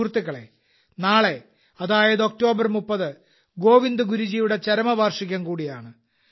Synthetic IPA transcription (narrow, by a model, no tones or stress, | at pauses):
rt̪ːiɣːɐɭe̞̰ | naːɭe̞ | ɐðaːjɐðo̞k̚to̞ːbɐrmupːɐðɨ | ɡo̞ːʋind̪ɨɡuɾud͡ʑiːjuɽe̞t͡ɕɐɾɐmɐʋaːrʂiɣʲːɐmkuːɽijaːɳɨ